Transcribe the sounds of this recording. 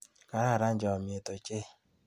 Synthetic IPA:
ka˨ɾa˦˨ɾa˦n̩˦d͡ʒɔ˨mɪ˨e˨to˨t͡ʃe˦

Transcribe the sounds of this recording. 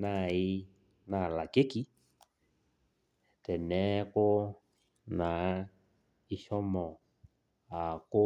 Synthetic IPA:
na˦˧˨i˦˧˦ | na˨la˨ke˦ki˦ | tɛ˨nɛ˨˦kʊ˦ | na˨˦ | i˨ʃɔ˦mɔ˨ | a˨kʊ˦

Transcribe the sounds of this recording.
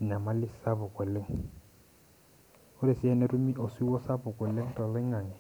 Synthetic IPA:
ɲa˨ma˦lɪ˦sa˦bʊ˨kʼwɛ˨lɪ˦ŋ̩ | ʊ˦ɾɪ˨sɪ˦ɛ˦nɛ˦ɾu˦mi˦ʔɔ˨si˦wɔ˦sa˦bʊ˨kʼwɛ˨le˦ŋ̩˦tʼɔ˨lɪ˦ŋa˨ŋɛ˨

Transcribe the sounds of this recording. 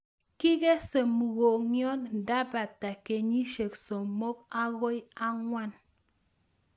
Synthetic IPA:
ki˦ke˦se˨mu˨ɣo˨ɲjɔ˦tn̩˨da˦ba˨ta˨ke˨ɲi˦ʃe˨kso˨mo˦k̚a˦ɣo˦ja˦ŋwʷa˦n

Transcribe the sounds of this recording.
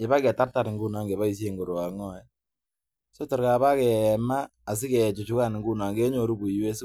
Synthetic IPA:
ɛ˨ba˦kɛ˨ta˦rta˨ɾɪ˨ŋɡu˦na˨ŋɡɛ˨βa˦i˨s̬je˦˨ŋɡo˨ɾo˨a˨ŋɔ˦ɛ˦ | sɔ˦tɔ˨ɾka˨βa˦kɛ˨maː˦˨s̬ɪ˦kɛ˨t͡ʃu˨t͡ʃu˦ka˦˨nɪ˨ŋɡu˦na˨ŋɡɛ˦ɲo˨ɾu˦bu˨jwe˦s

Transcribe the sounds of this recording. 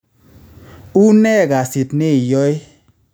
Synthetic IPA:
u˦nɛ˦˨ka˨si˨tnɪ˦˨jɔ˦ɪ˦

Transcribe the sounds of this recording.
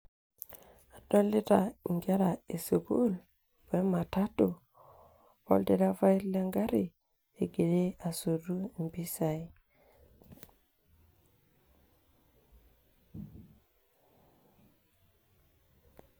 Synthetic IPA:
a˨dɔ˦li˦ta˨i˨ŋɡa˦ɾa˨e˨su˨ɡu˦l | va˨˦jma˨ta˦tu˨ | ɔ̰˦lde˦da˦va˦jlɛ˦ŋɡa˦ɾi˨ | e˨ɡe˨de˦a˨so˨ɾu˦˨mbi˦sa˨j

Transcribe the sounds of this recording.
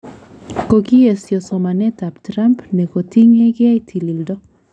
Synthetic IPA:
ko˨ɡi˦e˨sjɔ˨sɔ˨ma˨nɛ˦ta˨ptɾa˦mpne˨ko˨ti˦ŋe˦ɡɪ˦a˦itʰi˨li˨ldɔ˦

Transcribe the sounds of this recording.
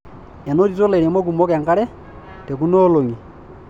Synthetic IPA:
ɛ˨no˦ti˨to˦le˨ɾɛ˨mɔ˦k̬u˨mɔ˦kɛ˨ŋka˦ɾɛ˦ | tɛ˨ku˦noː˦lo˨ŋi˨

